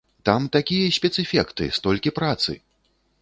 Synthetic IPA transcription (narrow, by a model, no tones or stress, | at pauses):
t̪amt̪akʲijɐsʲpʲɛt̪sɨfʲɛkt̪ɨ̰st̪ɔlʲkʲipɾat̪sɨ̰